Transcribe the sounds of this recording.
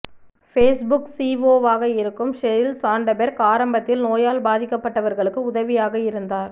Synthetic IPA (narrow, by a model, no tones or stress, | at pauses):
feːsbʊksiːʋoːʋaːɣɐɪɾɯkːɯmʃɛɾɪlsaːɳɖɐbɛɾkaːɾɐmbɐt̪ːɪlnoːjaːlbaːðɪkːɐpːɐʈːɐʋɐɾɣɐɭɯkːɯʊðɐʋɪjaːɣɐɪɾɯnd̪aːɾ